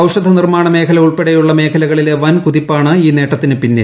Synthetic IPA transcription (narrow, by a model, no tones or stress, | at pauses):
ɐwʂɐd̪ʱɐnirmaːɳɐme̞ːkʰɐlɐuɭpeɽɐjuɭːɐme̞ːkʰɐlɐɣɐɭile̞ʋɐnkuðipːaːɳɨiːne̞ːʈːɐt̪ːinɨpinːe